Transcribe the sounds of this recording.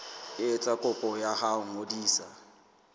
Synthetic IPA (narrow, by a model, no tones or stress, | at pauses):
ɪt͡sʼakʼʊpʼɔjahaʊŋ̩odiːsa